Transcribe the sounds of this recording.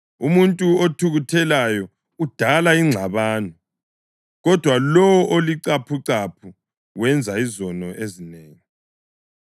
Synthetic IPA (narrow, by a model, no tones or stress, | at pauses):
umuntʼuotʰuɣutʰɛlajɔ | ud̥ʱalaiŋ͡ǁʱaβaːnɔ | ɣɔd̥ʱwalɔwɔʔoliǀapʰuǀapʰu | wɛnd͡zʱaizɔnɔʔezineːŋi